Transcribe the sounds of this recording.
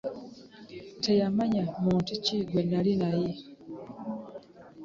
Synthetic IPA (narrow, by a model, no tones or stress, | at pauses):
tʰejamaɲamuːntuciːɡwenalinaji